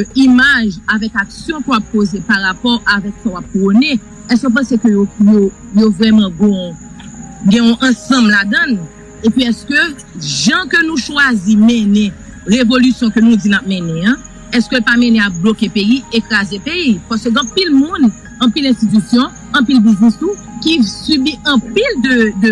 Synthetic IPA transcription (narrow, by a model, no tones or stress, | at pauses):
imaʒavɛkaksjɔ̃kəwap̚pozepaʁapɔʁavɛksawap̚kʁone | ɛskõp̬ɐ̃sekøjojo | jovʁɛmɐ̃ɡɔ̃ | ɡɛ̃ɔ̃ʔɐ̃sɐ̃blad̪ɐ̃n | epɥiɛskø | ʒɐ̃kønũʃwazimɛ̃nɛ̃ | ʁevolysjɔ̃kønũd͡zinap̚mɛ̃nɛ̃ã | ɛskølpamẽneak̚blokepejiekʁazepejipasøɡãpilmũn | ɐ̃pilɛ̃st̪it̪ysjɔ̃ | ɐ̃p̬ilbiznist̪u | kisɥybiɐ̃pild̪ød̪